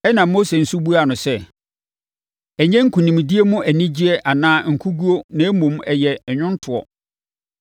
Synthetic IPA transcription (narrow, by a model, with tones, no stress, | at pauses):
ɛ˦nã˨mːo˦se˨n̩˨su˦bu˦a˨nʊ̃˨sɛ˦ | ɛ˨ɲɛ̃˦ŋ̩˦kʰũ˨nĩ˨m˨di˦e˦mʊ̃˦ʔæ˨nĩ˦d͡ʑi˦ɛ˦ʔa˨nãː˦ŋ̩˨kʰu˦ɡu˦o˦nã˨e˦mũ˨mɛ˨jɛ˨ɛ˨ɲʊ̃˦n˦tʰʊ˨ɔ̰˨